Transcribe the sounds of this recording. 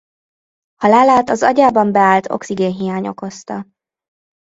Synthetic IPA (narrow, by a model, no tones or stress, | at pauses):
hɒlaːlaːt̪ɒzɒɟaːbɒmbɛaːlt̪ʰo̞̰ksiɡeːnɦijaːɲo̞̰ko̞st̪ɒ